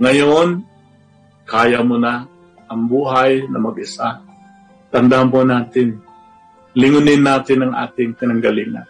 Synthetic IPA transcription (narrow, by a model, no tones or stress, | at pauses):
ŋɐjon | kaːjamona | ʔɐŋbuːɦajnɐmɐɡɪsa | t̪ɐnd̪amponaːt̪ɪn | lɪŋʊnɪnːaːt̪ɪnɐŋʔa̰ːt̪ɪŋk̪ɪnɐŋɡɐlɪŋa̰